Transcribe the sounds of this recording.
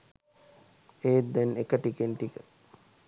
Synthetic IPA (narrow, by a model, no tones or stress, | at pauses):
eːt̪d̪ɛnekəʈikenʈikə